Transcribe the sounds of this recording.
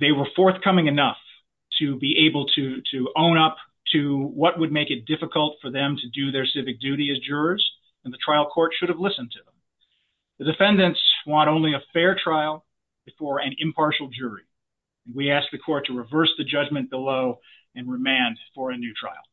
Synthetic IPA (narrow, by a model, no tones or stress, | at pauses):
ðeɪwə˞fɔɹθkʰʌmɪ̃ŋɨnʌf | tʰɨbiʔeɪbl̩ˠtʰɨɾɨõʊ̃ñʌp | tʰɨwʌt̚wəd̚meɪkɨt̚d̥ɪfəkəl̩ˠtfə˞ðɨ̃mtʰɨdɨðə˞sɪvɨk̚d̥ʉɾiɨzd͡ʒʊɹəz̥ | ɨ̃nðɨtʰɹ̥aɪlˠkʰɔɹtʃʊɾɨvlɪsɨ̃ntʰɨðə̃m | ðɨdɨfɛ̃ndɨ̃ntswɑ̃ɾ̃õʊ̃nliɨfɛɹtʰɹ̥aɪl̩ˠ | b̥ɨfɔɹɨ̃nɪ̃mpʰɑɹʃl̩ˠd͡ʒʊɹĩ | nwiæsk̚ðɨkʰɔɹtʰɨɹɨvɜ˞sðɨd͡ʒʌd͡ʒmɨ̃nb̥əloʊ | ɨ̃nɹɨmæ̃nd̥fə˞ɨnʉtʰɹ̥a̰ɪlˠ